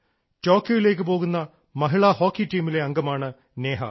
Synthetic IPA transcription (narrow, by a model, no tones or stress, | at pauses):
to̞ːkjojile̞ːk̬ːɨpo̞ːɣunːɐ | mɐɦiɭɐho̞ːkːiʈːiːmile̞ɐŋɡɐmaːɳɨ | ne̞ːɦɐ̰